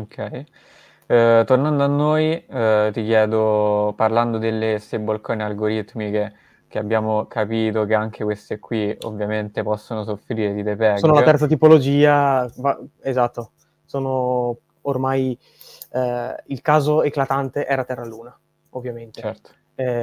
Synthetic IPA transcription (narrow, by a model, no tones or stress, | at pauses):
okʰːɛj | t̪ornand̪oanːoːjt̪ik̟jɛːd̪oparland̪od̪elːesebːolkoːnealɡoɾit̪mike | keabːjaːmokʰapiːt̪ok̟eaŋk̟ʰekwest̪ekʰwio̰vːjament̪epɔsːonosofɾiːɾed̪id̪epɛoːnolaɛrt̪sat̪̬ipolod͡ʒiːavaezat̪ːo | soːno | ormaj | ilkaːzoeklat̪ant̪eʔɛːɾat̪ɛrːaluːna | ovːjament̪t͡ʃet͡ʃɛrt̪o̥ | ɛ